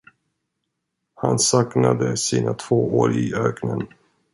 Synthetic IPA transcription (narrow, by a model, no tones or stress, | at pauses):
hansɑknad̪əsiːnat̪ʰv̥oːoːɾɪøːknən